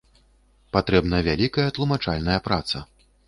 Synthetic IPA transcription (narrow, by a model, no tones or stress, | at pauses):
pat̪ɾɛbnɐjvʲalʲikɐjɐt̪lˠumat͡ʂalʲnɐjɐpɾat̪sɐ